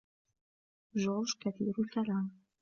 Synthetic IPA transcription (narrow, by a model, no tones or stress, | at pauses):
ʒɔːɾʒkaθḭːɾʊlkalaːm